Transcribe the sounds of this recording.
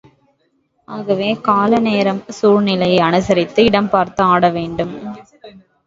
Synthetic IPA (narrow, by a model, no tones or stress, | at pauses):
aːɣɐʋeːkaːlɐneːɾɐmsuːɾnɪlɐjɐɪɐnɯsɐɾɪt̪ːɯɪɽɐmpaːɾt̪ɐaːɽɐʋeːɳɖɯm